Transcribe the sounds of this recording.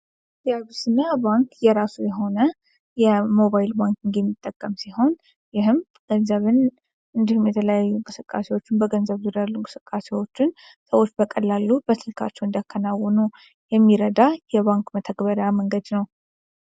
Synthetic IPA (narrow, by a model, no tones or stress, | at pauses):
ijaβusɨnːabaŋkjɛɾasujɛɦo̞nə | jɛmo̞βajilbaŋkiŋɡjɛmːit̪ʼːəkʼːəmsiɦo̞n | jɪhɨm | ɡ̥ənzəβɨn | ɨnd̪ihumjɛt̪ʰələjajːuŋkʼɨsɨkʼːa̰se̞wo̞t͡ʃːɪnbəɡənzəβzɨd̪əlːuŋkʼɨ̥sɨkʼːase̞wo̞t͡ʃːɪn | səwo̞t͡ʃːbəkʼəlːalːubəsɨlkʰa̰t͡ʃːɛwnd̪akʰːənawːɔnu | jɛmːiɾəd̪ajɛβaŋkmət̪ʰəɡbəɾəjaməŋɡəd̪nəw